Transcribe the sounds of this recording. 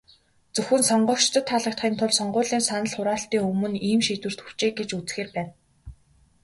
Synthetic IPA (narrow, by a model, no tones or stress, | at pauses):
t͡sɵxɘ̆nsɔɴɢɞ̆ʃt̪ʰə̆t̪ʰːaɮə̆k̚t̪χiːnt̪ʰʊɮsɔɴɢʊːɮiːnsanə̆ɮχʊɾaːɬt̪iːŋɵmɵ̆niːmʃiːt̪wɘ̆r̥t̪xu̥w̥t͡ɕeːɡet͡ɕut͡sxeːrpæːn